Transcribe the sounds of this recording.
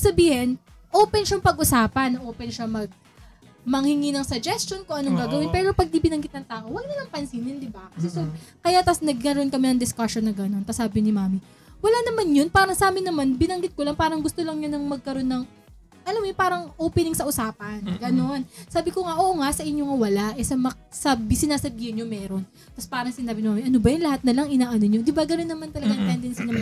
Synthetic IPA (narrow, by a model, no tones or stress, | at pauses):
sɐbiːhɪn | ʔoːpɛnʃɐŋpɐɡʔʊsaːpɐnːɐʔoːpɛnʃɐmɐɡ̚ | mɐŋhɪŋinɐŋsɐd͡ʒɛst͡ʃo̞nkoʊŋʔɐnoŋɡaːɡɐwɪnpɛːɾo̞pɐɡ̚d̪ibɪnɐŋɡɪt̪̚nɐŋt̪aːʔo̞wɐɡ̚nɐlɐŋpɐnsinɪnd̪ɪbakɐsɛsokɐjat̪asnɐɡ̚kɐɾo̞nkɐmɛnɐŋd̪ɪskɐʃonːɐɡɐno̞nt̪ɐsaːbɪnɪmaːmi | wɐlanɐmanjonpaːɾɐŋsaːmɪnɐmanbɪnɐŋɡɪt̪̚kolɐŋpaːɾɐŋɡʊst̪olɐŋɲʊnɐŋmɐɡ̚kɐɾo̞nːɐŋ | ʔɐlamjopaːɾɐŋʔoːpɛnɪŋsɐʔʊsaːpɐnɡɐno̞nsaːbɪkoŋaʔoːʔŋaʔsɐʔɪɲːoŋɐwɐlaʔɛsɐmɐsɐbisɪnaːsɐbiːhɪnɲomɛːɾo̞n | t̪ɐspaːɾɐŋsɪnaːbɪnɪmaːmiʔɐnobɐjʊnlɐhat̪̚nɐlɐŋɪnaːʔɐnoɲod̪ɪbaɡɐno̞nːɐmant̪ɐlɐɡaŋp̪ɛnd̪ɛnsɪnɐm